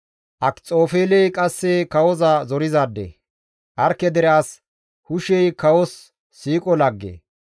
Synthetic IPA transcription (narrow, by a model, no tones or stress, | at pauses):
ʔɐkt͡sʼo̞ːfeːlɛjkʼɐsːɛkɐwɔzɐzɔɾɪzaːd̪ːḛ | ʔɐɾkːɛd̪ɛɾaːs | hʊʃɛjkɐwɔsː | iːkʼɔlɐɡːḛ